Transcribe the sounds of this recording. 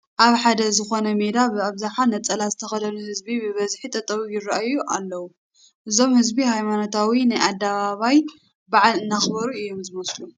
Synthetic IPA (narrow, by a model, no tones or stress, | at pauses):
ʔaβħad̪ɐzɨxo̞nɐme̞d̪abɨaβzaħanɐt͡sʼːɐlazɨt̪ʰɐxɐd̪ɐnuhɨzbibɨβɐzħit̪ʼɐt̪ʼɐwijɪraʔajuʔalːɐwu | ʔɨzo̞mhɨzbihajmano̞t̪ʰawinajad̪ːaβaβaj | baʕalɨnːaxbɐɾuɨjːo̞mzɨmɐslu